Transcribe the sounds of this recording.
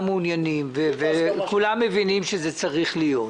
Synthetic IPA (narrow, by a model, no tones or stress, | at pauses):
meunjanimvevekulamːevinimʃezet͡saʁiχlijo̞t